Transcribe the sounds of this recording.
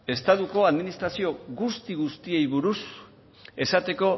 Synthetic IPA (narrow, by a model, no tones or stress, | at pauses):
e̞st̪aðuko̞aðminist̪ɾasio̞ɣust̪iɣ̞ust̪ie̞jβuɾus | e̞sat̪e̞ko̞